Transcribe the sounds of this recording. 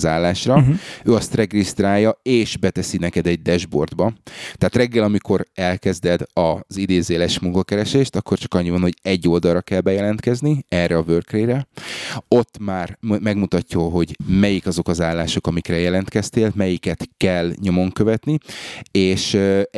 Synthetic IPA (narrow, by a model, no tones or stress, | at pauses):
zaːlːaːʃrɒøːɒst̪rɛɡist̪raːjːɒeːʃbɛt̪ɛsinɛkɛd̪ɛɟ̚d̪ɛʒbo̞̰rd̪bɒt̪ɛaːt̪rɛɡːɛlɒmikʰo̞ɾɛlkɛzd̪ɛd̪ɒzid̪eːzeːlɛʃmuŋkɒkɛɾɛʃeːʃt̪ɒkːort͡ʃɒ̥kɒɲːivɒnho̞ɟɛɟːo̞ld̪ɒlɾɒkɛlbɛjɛlɛnt̪kɛzniɛːrɛɒvørkreːɾɛ | o̞t̪ːmaːrmɛɡmut̪ɒcːɒɦo̞ɟmɛjikɒzo̞kɒzaːlːaːʃo̞kɒmikrɛjɛlɛnt̪kɛst̪eːlmɛjikɛt̪kɛlɲo̞mo̞ŋkøvɛt̪nieːʃ